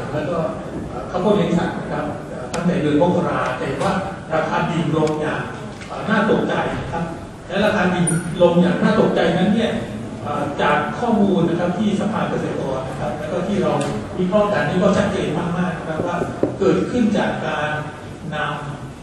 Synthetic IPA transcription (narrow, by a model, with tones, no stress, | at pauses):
lɛː˦˥wkɔː˥˩ | ʔaː˨˩kʰa˦˥wkʰɔː˥˩jɛ˧˥˦ŋsa̰˨˩t̪̚na˦˥kʰa˦˥p̚ʔəː˨˩t̪ʰa˥˩t̪a˨˩˦bɤː˧nkɔː˥˩kʰa˧ɾaː˧t̪ɛː˨˩waː˥˩ | ɾa˧kʰaː˧di˨˩nlo˧mjaː˨˩ŋ | ʔəː˨˩naː˥˩t̪o˨˩k̚t͡ɕa˧jna˦˥kʰa˦˥p̚ | lɛː˦˥wɾa˧kʰaː˧ndi˨˩nlo˧mjaː˨˩ŋ̚naː˥˩t̪o˨˩k̚t͡ɕa˧jna˦˥nːi˥˩ɐ | ʔəː˨˩t͡ɕaː˨˩kʰːɔː˥˩muː˧nːa˦˥kʰa˦˥p̚t̪ʰiː˥˩sa˧pʰaː˧nka˧seː˨˩t̪̚kɔː˧˩nːa˦˥kʰa˦˥p̚lɛː˦˥wkɔː˥˩t̪ʰiː˥˩ɾa˧wwi˦˥kʰɔː˥˩ka˧˩nːiː˥˩kɔː˥˩t͡ɕʰa˦˥t̪̚t͡ɕeː˧nmaː˥˩k̚maː˥˩k̚na˦˥kʰa˦˥p̚waː˥˩kɤː˨˩t̪̚kʰɯ˥˩nt͡ɕaː˨˩kːaː˧nː | a˧m